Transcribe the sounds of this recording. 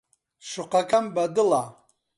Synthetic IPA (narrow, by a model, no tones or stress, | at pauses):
ʃuqakʰambad̪ɨla